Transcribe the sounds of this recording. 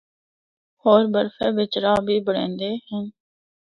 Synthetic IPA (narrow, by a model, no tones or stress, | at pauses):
hoːɾbəɾfẽːʋɪt͡ʃɾaːbʱiːbəɽẽːnd̪eːɦɪn